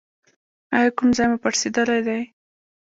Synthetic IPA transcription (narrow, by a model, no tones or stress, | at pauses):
ajakumzɑjmapaɽsed̪əlajd̪aj